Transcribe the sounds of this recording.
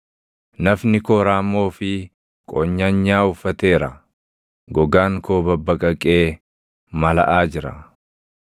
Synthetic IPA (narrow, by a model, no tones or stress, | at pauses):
nɐfnɪkoːɾaːmːo̞ːfɪ | kʼɔɲːɐɲːaːʊfːɐt̪e̞ːɾɐ | ɡɔɡaːŋkoːbɐbːɐkʼɐkʼe̞ː | mɐlɐ̰ʔaːd͡ʒɪɾɐ̰